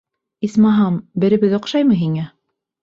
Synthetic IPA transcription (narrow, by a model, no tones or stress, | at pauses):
ismɑɦɑmbɘ̆ɾɘ̆βɘðŏqʃɑjmɤɦiŋæ